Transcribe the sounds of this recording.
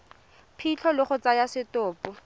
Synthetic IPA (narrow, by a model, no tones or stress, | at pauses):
pʰit͡ɬʰɔlɪχʊt͡sajasɪtʊːpʊ